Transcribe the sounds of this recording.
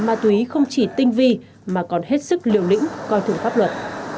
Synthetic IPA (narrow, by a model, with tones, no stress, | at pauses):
maː˨˩t̪u˨i˨˦xə˧wŋ͡mt͡ɕi˧˩t̪ï˧ŋ̟vi˧ | maː˨˩kɔ˨˩nhe˦˥t̚sɨ˦˥k̚li˨˩əwlḭ˧˥ŋ̟kɔ˧jt̪ɨ˨˧˩əŋfaː˦˥p̚lwə˨˩t̚